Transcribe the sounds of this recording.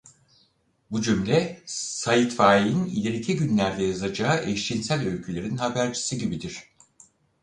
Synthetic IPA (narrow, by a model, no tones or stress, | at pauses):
bud͡ʒymlʲɛsajit̪faːiinḭlʲeɾicʰiɟynlʲæɾd̪ɛjazad͡ʒaːɯʔɛʃt͡ʃinsælʲølʲcʰylʲe̞ɾinhabæɾd͡ʒʰi̥siɟibid̪iɾ̥